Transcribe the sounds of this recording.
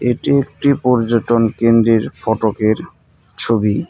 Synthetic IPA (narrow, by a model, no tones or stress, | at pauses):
eʈiek̚ʈipɔɾd͡ʑoʈonkend̪ɾeɾfɔʈokeɾ | t͡ɕʰobi